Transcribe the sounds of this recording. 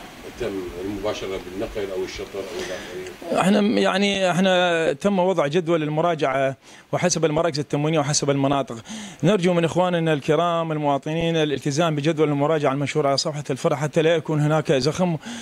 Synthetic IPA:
t̪amːɪlmʊbaːʃɑɾˤɑbɪnːɑqlʔawɪʃːɑt̪ˤɨɾˤʔa̰wɪlʔamaɾiːʔɪ̰ħnajaʕniʔɪħnat̪amːwɑðˤʕd͡ʒad̪walɪlmʊɾˤɑːd͡ʒaʕa | wɪħasabɪlmɑɾˤɑːkɪzɪt̪ːamwiːnijawħasabɪlmɑnɑːt̪ˤɨqnɪɾˤd͡ʒumɪnʔɪxwaːnʔɪnːalkɪɾɑːmɪlmʊwɑːt̪ˤɨniːnɪlʔɪlt̪ɪzaːmbɪd͡ʒad̪walɪlmʊɾˤɑːd͡ʒaʕalmaʃhuːɾˤʕalasˤɑfħalfɑɾˤħat̪ːalajakuːnhɪnaːkzaxm

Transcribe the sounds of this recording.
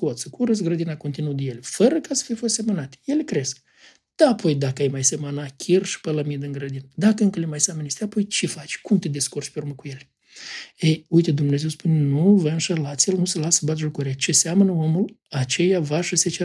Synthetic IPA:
kot̪səkuɾəs̬ɡɾəd̪inako̞nt̪inut̪d̪ejelʲefəɾəkasə̥fijfost̪sʲe̞mənat̪ʲe̥je̞lekɾe̞sk̚ | d̪̥aapʰo̞jd̪akəajmajse̞mənakʲʰirʃi̥pələmid̪ɨŋɡɾəd̪ind̪akəɨŋkəlemajsʲamənest̪eapo̞jt͡ʃefat͡ʃʲkumt̪ed̪eskurt͡ʃpʲeurməkuje̞l | ejujt̪ed̪umne̞zespunʲenuvəɨnʃəlat̪sʲjelnusəlasə̥bat̪ʒukuɾiat͡ʃe̞sʲamənəo̞mulat͡ʃe̞javaʃəset͡ʃe

